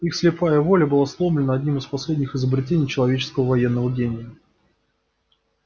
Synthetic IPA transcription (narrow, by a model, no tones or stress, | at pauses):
ixslʲɪpajəvo̞lʲəbɨlˠaslˠo̞mlʲɪnəɐdʲnʲimɨspɐslʲedʲnʲɪxɪzəbɾʲɪtʲenʲijt͡ɕɪlˠɐvʲet͡ɕɪ̥skəvəvɐjenːəvəɡʲenʲɪjə